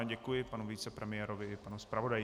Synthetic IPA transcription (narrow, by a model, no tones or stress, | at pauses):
ɟɛkujɪpanuviːt͡sɛpɾɛmɪjɛɾovɪːpanuspɾavo̞daj